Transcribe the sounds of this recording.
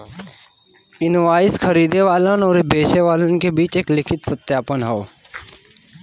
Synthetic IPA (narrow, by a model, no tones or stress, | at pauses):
ɪnʋaːɪskʰəɾiːd̪eʋaːlənɔːɾbʱeːʃeʋaːlənɪ̆kebiːt͡ʃeːklɪkʰɪt̪sət̪jaːpənɦoː